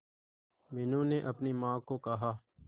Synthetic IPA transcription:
meːnũːneːʔəpniːmãːkoːkəɦaː

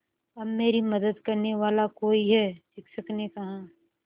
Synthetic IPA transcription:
ɐbmeːɾimɐd̪əd̪kɐɾneʋaːlakoːiɦɛːdɪkʰsɐknekɐɦãː

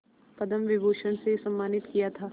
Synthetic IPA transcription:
pɐd̪əmʋɪbʱoːʃənsesɐmːaːnɪt̪kijat̪ʰaː

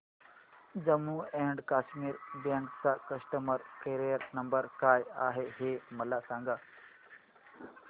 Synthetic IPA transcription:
d͡ʑɐmuːeːɳɖkaːʃmiːɾbẽːɳʈksãkɐsʈəməɾkeɾiːəɾnɐmbəɾkaːja̰ːɦeɦeːmɐlasãːŋɡaː

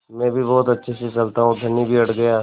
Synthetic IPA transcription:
mɛ̃ːbʱibɔːt̪ɐtːʃʰeset͡ʃɐlt̪aɦũd̪ʱɐnibʱiɐʈʰɡɐjaː

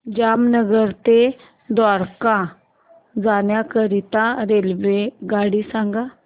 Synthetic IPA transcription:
d͡ʑamnəɡəɾt̪e | d̪ʋaɾkã | d͡zanjakəɾit̪ãɾelʋeɡaɽisãŋɡa

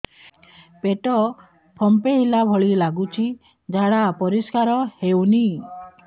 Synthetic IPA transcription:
peʈɔ | pʰɔmpeɦilabʱɔɭilaɡut͡ʃʰi | d͡ʒaɽapɔɾiskaɾɔheuni

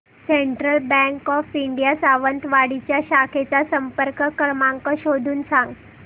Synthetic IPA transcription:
seɳʈɾəlbɛ̃ŋkɔfiɳɖijasaʋənt̪ʋaɽit͡ɕjaɕakʰet͡sasəmpəɾkəkəɾmaŋkəɕod̪ʱuːnsãŋɡ

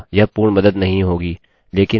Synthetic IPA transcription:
jɐpuːɽmɐd̪əd̪nɐɦĩɦoːɡiː | leːkɪ

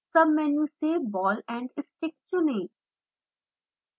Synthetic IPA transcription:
sɐmːɛːnuːseːbɔːlɛ̃ːɳɖɪsʈɪk̚t͡ʃʊnẽː

